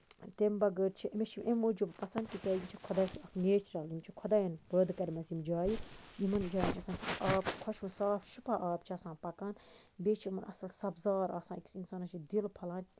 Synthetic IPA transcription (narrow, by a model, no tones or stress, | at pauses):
t̪embɐɡəɾt͡ʃʰiʔmet͡ʃʰimʔemːoːd͡ʒubpɐsɐnd̪kʲit̪ʲɐːjimʲt͡ʃʰikʰod̪aːsiɐkneːt͡ʃɾɐlimt͡ʃʰikʰod̪aːjɐnbəːd̪kɐɾʲmɐzimd͡ʒaːjijimɐnd͡ʒaːjinʲt͡ʃʰɐsaːnkisʰʔaːbkʰɐʃũːsaːfʃupɐʔaːbt͡ʃʰiɐsãːnpɐkaːn | beːt͡ʃʰimɐnɐ̰sɐlsɐbzaːɾaːsãːkʲi̥sinsaːnɐt͡ʃʰid̪ilpʰɐlaːn